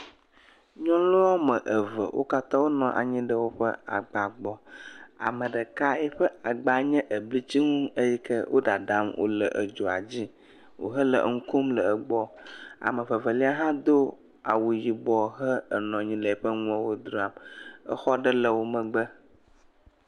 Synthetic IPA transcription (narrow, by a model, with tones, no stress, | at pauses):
ɲɔ̃˦lo˦ɔ˦mə̃˨ʔə˨və̰˨wʔo̰˦ka˦t̪ã˦wo˦nɔ̃˨ʔa̰˨ɲĩ˦ɖə˦wo˦ɸə̰˦a̰˨ɡ͡ba˨ɡ͡bɔ˦a̰˨mə̃˨ɖə˨ka˦ɛ˦ɸə˦a˨ɡ͡ba˨ɲɛ̃˦ʔə˨bli˦t͡ɕi˦ŋũ˦ə˦ji˦kə˦wʔo̰˦ɖa˨ɖa˨˦mwo̰˦lə̰˨ʔə̰˨d͡ʒo˨a˨d͡ʑi˦ | wo̰˨ɦə˦lə̰˨˦ŋ̩˦ko˦mlə˨ə˨ɡ͡bɔ˦a̰˨mə̃˨və˨və˨li˦a˦ɦã˦d̪o˦ | a˨wu˨ji˨bɔ˨ɦə˦ə˨nɔ̃˨ɲĩ˦lə˨ɛ˨ɸə˦ŋũ˦a˦wo˦d̪ɾo˨˦a˨mə̰˦xɔ˦ɖə˦lə˨wo˦mə̃˨ɡ͡bə˦